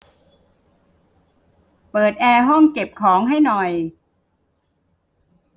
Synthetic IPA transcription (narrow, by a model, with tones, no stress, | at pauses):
pɤː˨˩t̪̚ʔɛː˧ɦɔ˥˩ŋke˨˩p̚kʰɔː˩˦ŋɦa˥˩jnɔ˨˩j